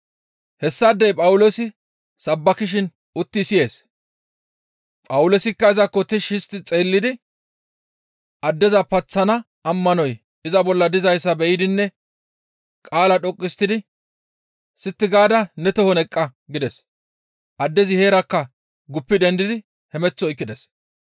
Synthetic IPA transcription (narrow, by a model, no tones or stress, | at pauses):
hɛsːɐːd̪ːɛjpʼɐwʊlosɪ | sɐbːɐkɪʃ̬ɪn | ʊt̪ːɪsɪje̞ːs | pʼɐwʊloːsɪkːɐɪzɐkːɔt̪ɪʃɪst̪ːɪt͡sʼeːlːɪd̪ɪ | ʔɐd̪ːɛzɐpɐt͡sːɐnɐː | mːɐnɔj | ɪzɐbɔlːɐd̪ɪzɐjsːɐbɛjɪd̪ɪnːɛ | kʼaːlɐɗɔkʼːɪst̪ːɪd̪ɪ | sɪt̪ːɪɡaːd̪ɐnɛt̪ɔhɔnɛkʼːɐɡɪd̪ɛs | ʔɐd̪ːɛzɪhe̞ːɾɐkːɐ | ɡʊpːɪd̪ɛnd̪ɪd̪ɪ | hɛmɛt͡sːɔɪkːɪd̪ɛs